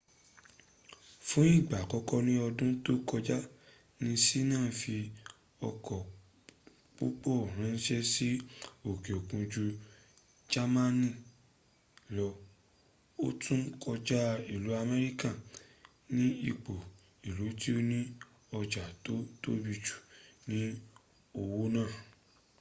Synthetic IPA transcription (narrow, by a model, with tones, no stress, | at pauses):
fũ˦i˦˨ɡ͡ba˨kɔ˨˦kɔ˦nĩ˦ɔ˧dũ˦to˦kɔ˧d͡ʒa˦ | nĩ˧si˦nãː˦˨fi˧ | ɔ˧kʰɔ˨ | k͡pu˦k͡po˦˨ɾ̃ã˨˦n̩˦ʃɛ˦si˦o˨ke˨o˨kũ˧d͡ʒu˧ | d͡ʒa˦mã˦nĩ˦˨ | lɔ˧ | o̰˦tũ˦kɔ˧d͡ʒa˦i˦˨lu˨˦a˦˧mɛ˧ɾi˦ka˦˨ | nĩ˦i˦˨k͡po˨ | i˨lu˨˦ti˦o˦nĩ˦ | ɔ˧d͡ʒa˨to˦to˦bi˧t͡ʃu̥˨nĩ˨˦ | o˨wo˦nãː˦˨